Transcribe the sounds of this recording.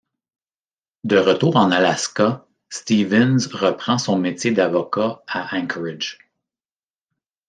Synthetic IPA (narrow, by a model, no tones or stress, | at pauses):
d̪əʁət̪uːʁɑ̃nalaska | st̪ivɛnzʁəpχɑ̃sɔ̃mett͡sʲjed̪avɔkaaʔɛ̃ŋkʰəɹɪd͡ʒ